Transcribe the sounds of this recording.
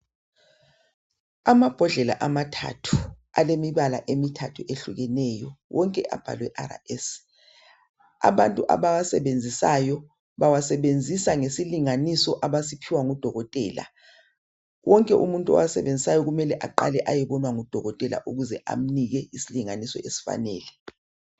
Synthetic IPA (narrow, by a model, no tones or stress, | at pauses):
amab̥ʱɔɮɛla̰ʔamatʰa̰tʰu̥alemiβalaʔemitʰatʰuʔeɬuɣɛnɛjɔwɔŋkʼɛʔa̰b̥ʱa̰lwɛʔaɾa̰ɛs | a̰βantʼuʔa̰βawasɛβend͡zʱisajɔ | βawasɛβend͡zʱisaŋesiliŋanisɔʔaβasipʰiwaŋud̥ʱɔɣɔtʼɛːla̰ | wʔɔŋkʼɛʔumuntʼuɔ̰wasɛβend͡zʱisajɔɣumɛlɛʔaǃa̰lɛʔajɛβɔnwaŋud̥ʱɔɣɔtʼɛla̰ʔuɣuzɛʔa̰m̩niɣɛisiliŋanisɔ̰esi̥fa̰nɛ̰ːlɛ